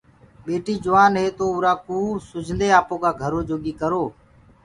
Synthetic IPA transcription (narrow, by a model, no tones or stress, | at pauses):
ɓeːʈiːd͡ʒʊʋaːnɦeːt̪oːʊːɾaːkuːsʊd͡ʒʱnd̪eːaːpoːkaːɡʱəɾoːd͡ʒoːɠiːkəɾoː